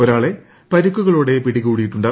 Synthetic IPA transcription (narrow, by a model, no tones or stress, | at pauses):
oɾaːɭe̞ | pɐɾukːuɣɐɭoːɽe̞piɽiɣuːɽijiʈːuɳɖaː